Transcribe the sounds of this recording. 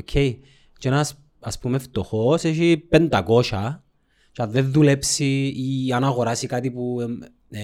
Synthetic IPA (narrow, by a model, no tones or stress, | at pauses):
okʰːej | t͡ʃenɐs | ɐspumeft̪oxoseʃipend̪ɐko̞ʃɐ | t͡ʃɐːenðulepsiːɐnɐɣo̞ɾasikat̪ipu